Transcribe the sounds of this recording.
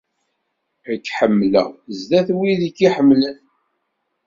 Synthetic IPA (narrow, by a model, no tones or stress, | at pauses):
əkːħəmːlə̰ʁzðæθwiðikːiħəmːlən